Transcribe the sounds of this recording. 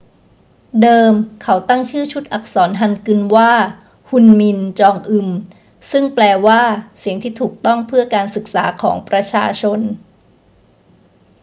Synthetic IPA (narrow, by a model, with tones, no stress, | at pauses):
dɤː˧mkʰa˩˦wt̪a˥˩ŋt͡ɕʰɯː˥˩t͡ɕʰu˦˥t̪̚ʔa˨˩k̚sɔː˩˦nɦa˧nkɯ˧nwaː˥˩ | hu˧nmi˧nt͡ɕɔː˧ŋʔɯ˧m | sɯ˥˩ŋplɛː˧waː˥˩si˩˦əŋt̪ʰiː˥˩t̪ʰuː˨˩k̚t̪ɔ˥˩ŋpʰɯ˥˩ɐkaː˧nsɯ˨˩k̚sa̰ː˩˦kʰɔː˩˦ŋpɾa˧t͡ɕʰa̰ː˧t͡ɕʰo˧n